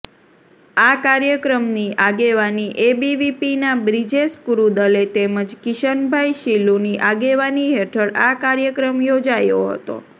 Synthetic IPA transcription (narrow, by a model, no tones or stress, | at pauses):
akaɾjəkɾəmniʔaɡeʋaniʔebiʋipinabɾid͡ʒeskuɾud̪əlet̪eməd͡ʒkɪʃənbʱajʃiluniʔaɡeʋaniɦeʈʰəɽakaɾjəkɾəmjod͡ʒajo̰ɦə̰t̪o̰